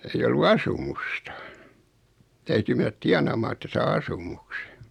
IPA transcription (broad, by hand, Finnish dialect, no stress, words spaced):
ei olːu ɑsumustɑ tæyty menæt tiɑnɑˑmɑː etːæ sɑː ɑsumukse̥